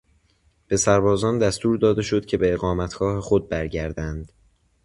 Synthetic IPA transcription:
b̥e̞sæɾbɒːzɒːnd̪æst̪uːɾd̪ɒːd̪e̞ʃo̞d̪cʲʰe̞be̞ːɣɒːmæt̪ʰɡ̥ɒːhexo̞d̪̚bæɾɟæɾd̪ænd̪̥

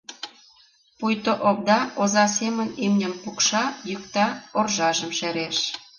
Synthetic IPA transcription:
pujt̪oʔop̚d̪ɑozɑsemənimnʲə̆mpukʃɑjykt̪ɑorʒɑʒəmʃeɾeʃ

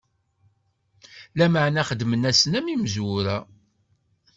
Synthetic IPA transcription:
læməʕnæχəd̪mənæsənæmimzʊɾæ

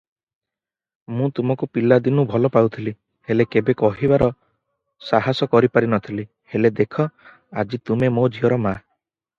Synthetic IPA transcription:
mũt̪umɔkupilad̪inubʱɔlɔpawt̪ʰili | helekebekɔɦibaɾɔ | saɦasɔkɔɾipaɾinɔt̪ʰili | heled̪ekʰɔ | ad͡ʒit̪umemod͡ʒiɔɾɔma

